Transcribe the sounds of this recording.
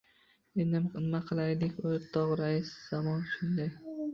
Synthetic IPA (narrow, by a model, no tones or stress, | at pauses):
end̪ɪmqʰɨnmaqʰɨlˠajd̪ɪkʲot̪ʰːɒʁɾaɪsz̥amɒnʃʊnd̪aj